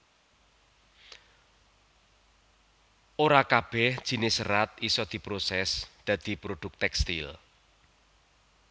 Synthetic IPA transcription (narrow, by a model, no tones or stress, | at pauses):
ʔoɾakab̥ɛhd̥ʒ̥i̤nɪsəɾat̪̚isɔd̪̥i̤pɾosɛsd̪̥ä̤d̪̥i̤pɾod̪̥ʊk̚t̪ɛkst̪ḭl